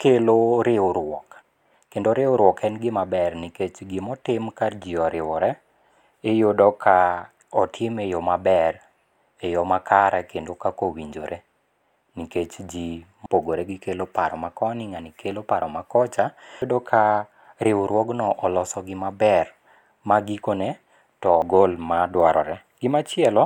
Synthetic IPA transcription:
keloɾɪoɾwɔk | kendoɾɪoɾwɔkɛnɡɪmabɛrniket͡ʃɡɪmɔtɪmkad͡ʒiɔɾɪwɔɾɛ | ejodɔkʰa | ɔtʰɪmejɔmabɛr | ejɔmakʰaɾɛkendokakowiɲd͡ʒoɾʔe | niket͡ʃd͡ʒi | poɡoɾeɡɪkelopaɾɔmakɔnɪŋanikʰelopaɾɔmakɔt͡ʃadɔkʰa | ɾɪwɾwɔɡnɔʔɔlɔsɔɡɪmabɛr | maɡikonɛ | tɔɡolmadwaɾɔ̰ɾɛ | ɡ̥ɪmat͡ʃɪɛlɔ

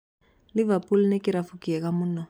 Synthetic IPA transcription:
livapʼulnɛkiɾafukiɛkamuna

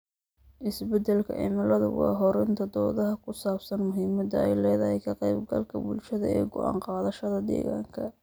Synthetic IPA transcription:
ʔɪsbɛd̪ɛlkʰɐ̰ʔɪ̰mɐlɐðʊ̰wɑ̰ːɦɔɾɪnt̪ʰɐd̪ɔːðɐɦɐkʰʊsaːbsɐnmʊɦiːmɐd̪ɐɛjlɛːðɐhɛjkʰɐqɛjbɡɐ̰lkʰɐbʊlʃɐðɐ̰ɛːɡɔʔɑ̰ːɴqɑːðɐʃɐðɐd̪ɛ̰ːɣa̰ːŋkʰɐ

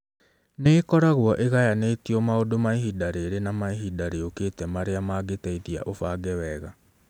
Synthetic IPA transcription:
neːkɔɾaɣwɔʔeɣajaneːtiɔmaodomaeɦidaɾeɾenamaeɦidaɾeoketɛmaɾeamaɡetɛiðia̰ʔofaɡɛwɛɣa

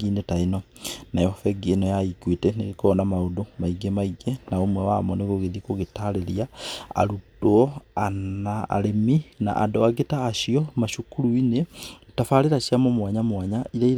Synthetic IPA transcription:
inetainɔ | najɔfɛɡenɔjaikwetɛneɣekɔnamaodomaiɡemaiɡenaomwɛwa̰mɔneɣoɣeðikoɣetaɾeɾijaa̰ɾutoɔanaa̰ɾemina̰ʔa̰dɔaɡetaːʃiɔmaʃukuɾuinetafaɾeɾaɕiamomwaɲamwaːɲaiɾai

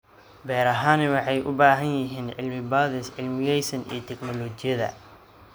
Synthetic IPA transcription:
bɛːɾɐɦaːnɪwɑħɑjʔʊ̰baːɦɐnjɪɦiːnʕɪ̰lmɪbaːðɪsʕɪlmɪjɛjsɐnḭːt̪ʰɛɡnɔlɔːt͡ʃɪjɐðɐ̰

